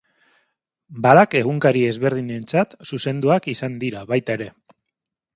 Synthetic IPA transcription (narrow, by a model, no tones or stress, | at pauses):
balake̞ɣ̞uŋkaɾie̞zβe̞ɾð̞iɲe̞nt͡sat̪suse̞nd̪uakisand̪iɾaβajt̪aeɾe̞